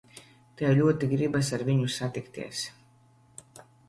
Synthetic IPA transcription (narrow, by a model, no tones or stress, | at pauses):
t̪ɛjlʲuɔt̪iɡɾibas̬aɾvʲiɲusat̪ikt̪ḭɛs